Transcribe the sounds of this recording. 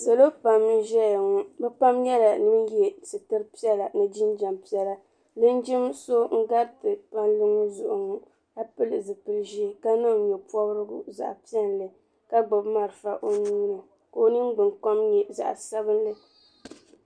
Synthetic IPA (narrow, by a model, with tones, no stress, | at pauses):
sa˨lo˦pa˨m̩˦ʒɛ˦jŋu˦bɛ˦pa˦mjɛ˦la˨nɨ˦n˦jɛ˦sɨ˨tɨ˦ɾpi˦ɛ˦la˨nɨ˦d͡ʒi˦nd͡ʒa˨mpi˦ɛ˦la˦ | lɨ˦n˦d͡ʒɪ˦mso˦ŋ̩˦ɡa˦ɾtɨ˨pa˦nlɨ˦ŋu˦zʊ˨ʔʊ˨ŋu˦ | a˦pɨ˦lɨ˨zɨ˨pɨ˦lʒi˦ka˦na˦˨ɲo˨pɔ˦bɾɨ˦ɡʊ̰˦za̰˨ʔpi˦ɛ˦n˨lɨ˨ | ka˦ɡ͡bɨ˨bma˨ɾɨ˨fa˨ʔo˦ni˦nɨ˨ | ko˨o˦nɨ˦mɡ͡bɨ˨ŋka˦mjɛ˦za̰˨ʔsa˦bɨ˦n˦lɨ˦